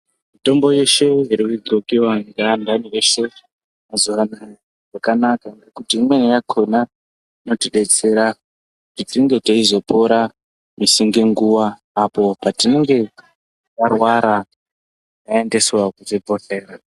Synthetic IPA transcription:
mito̞mbo̞je̞ʃe̞iɾikuɡokiwaŋɡandanieʃe̞ | mazuʋana | ʐakanakaŋɡekutimwe̞nijakʰona | ino̞tiɗe̞t͡se̞ɾa | kutitiŋɡe̞teizo̞po̞ɾa | misiŋɡeŋɡuwaː | po̞patine̞ŋɡe̞ | jarwaɾa | jae̞nde̞swakutibʱoɬe̞ːɾa

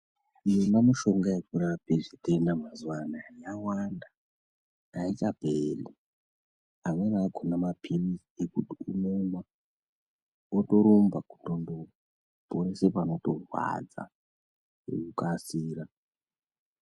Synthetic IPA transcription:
ijonamuʃo̞ŋɡajekuɾapeʐitenamazwanajawanda | ait͡ʃapeli | amwenaɡʱonamapʰiniiekutiunoma | woto̞ɾombaku̥tondo | poɾesepano̞torwa̰d͡za̰ | ḛkukasiːɾa

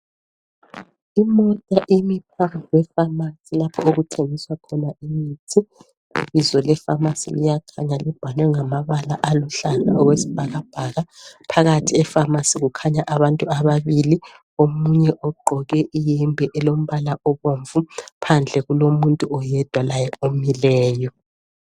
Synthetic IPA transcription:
imɔtʼaʔimip̚ʰawɛfamasilapʰɔoɣutʰeŋiswakʰɔnaʔimiːtʰi | ḭβizɔlɛfamasḭlḭjakʰaɲalib̥ʱanwɛŋamaβala̰ʔaluɬana̰ɔɣwesi̥b̥ʱaɣab̥ʱaɣapʰaɣatʰiɛfamasiɣukʰaɲaʔaβantʼuaβaβili | omuɲɛʔɔɡ͡ǃʱɔɣɛʔijimbʱɛʔɛlom̩βalaʔɔβoɱvupʰand͡ɮʱɛɣulomuntʼuɔjɛd̥ʱwalajɛomilɛːjɔ

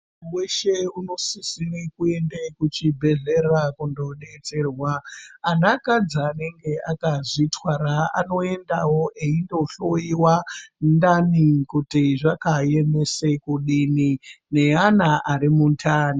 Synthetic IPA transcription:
mweʃe̞uno̞sisirikue̞ndekut͡ʃibʱe̞ɮe̞rakundo̞ɗe̞t͡se̞rwaːnakad͡zaːne̞ŋɡe̞akaʐitwaɾaa̰no̞e̞ndawo̞ʔeindo̞ɬo̞iwandanikutiʐakaje̞me̞se̞kuɗinine̞anaʔaɾimuntʰaːni

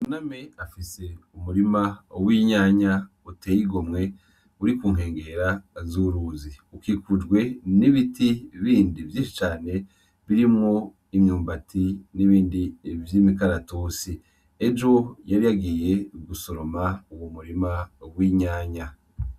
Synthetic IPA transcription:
unameafise̞umuɾimawiːɲaːɲa | uteːjiɡo̞mŋe̞ | uɾikuːŋ̥ɦe̞ːŋɡe̞ɾazuɾuːziukikud͡ʒɡwe̞niβitiβiːndivjiʃi̥t͡ʃaːne̞ | βiɾimŋo̞ | imɲuːmbatʰiniβiːndievjimikaɾatoːsi | ed͡ʒo̞jaɾijaɡije̞ɡuso̞ɾo̞mauwomuɾimawiɲaːɲa

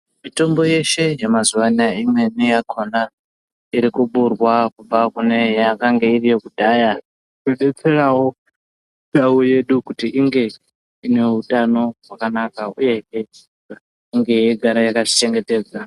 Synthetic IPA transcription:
mito̞mbo̞je̞ʃe̞jamazuʋaniaimwe̞nijakʰo̞na | iɾikuɓurwakub͡vakune̞jakaŋɡeirijo̞kudʱaːja | eɗet͡se̞rawo | nawuje̞ɗukutiʔiŋɡe̞ | ine̞ɦutano̞ɦwakanakauje̞ɦe | a | iŋɡe̞ɦeɡʱaɾajakaʐit͡ʃe̞ŋɡe̞te̞ːd͡za

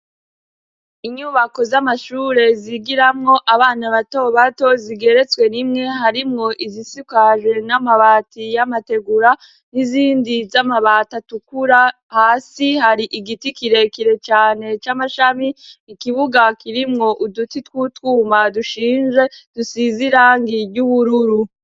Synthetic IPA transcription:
iɲuːβako̞zamaʃuːɾe̞ziɡiɾamŋo̞ʔaβaːnaβato̞βato̞ziɡe̞ɾe̞t͡swe̞nimŋe̞ɦaɾimŋo̞ʔizisikaʒwe̞namaβaːtijamate̞ɡuɾa | niziːndizamaβatatukuɾa | haːsihaɾiʔiɡitikiɾe̞kiɾe̞t͡ʃaːne̞t͡ʃamaʃamiːkiβuɡakiɾimŋo̞ʔudutitwutwuːmaduʃiːnʒe̞d̥usiziɾaŋɡiɟuβuɾuɾu

